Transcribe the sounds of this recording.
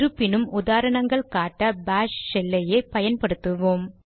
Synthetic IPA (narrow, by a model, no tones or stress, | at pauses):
ɾɯpːɪnɯmʊðaːɾɐɳɐŋɡɐɭkaːʈːɐbaːʂsɛlːɐjɐɪpɐjɐnpɐɽɯt̪ːɯʋoːm